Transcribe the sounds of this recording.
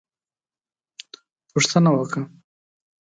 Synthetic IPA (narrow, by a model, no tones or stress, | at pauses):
pʊʂt̪ənawəka